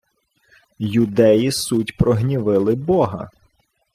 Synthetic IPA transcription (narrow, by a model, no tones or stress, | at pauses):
jʊd̪ɛjisutʲpɾɔɦnʲiʋɪlˠɪbɔɦɐ̰